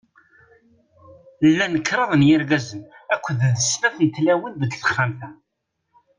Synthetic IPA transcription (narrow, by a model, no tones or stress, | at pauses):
lːænəkːɾˤəðˤnjɪɾɡæzənækʷːððəsləθˤjət̪ːlæwənbəd̪θə̥χːamθæ